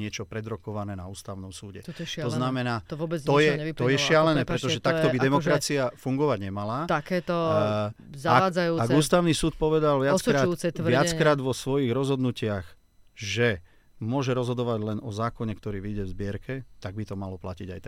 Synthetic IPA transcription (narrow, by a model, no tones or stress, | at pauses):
ɲɪɛt͡ʃɔpɾɛd̪ɾɔkɔʋanɛːnauːst̪aʊnɔmsuːɟɛt̪ɔznamɛnaːt̪vɔbɛzɔjɛɲɛit̪ɔjɛʃɪalɛnɛːpɾɛt̪ɔʒɛt̪ak̚t̪ɔbid̪ɛmɔkɾat͡siafuŋɡɔʋaɟɲɛmalat̪akɛːt̪ɔ | zaaad͡zajuːaɡuːst̪aʊnisuːt̪̚pɔʋɛd̪alʋɪat͡sɾaːtj̪ːt͡sɛt̪ʋɪat͡skɾaːd̪ʋɔsʋɔjiɣɾɔzɦɔd̪nucɪax | ʒɛ | mʊɔʒɛɾɔzɦɔd̪ɔʋaɟlɛnɔzaːkɔɲɛk̚t̪ɔɾiːʋiɟɛvzbɪɛɾkɛt̪aɡ̚bit̪ɔmalɔplaciɟajt̪ɛ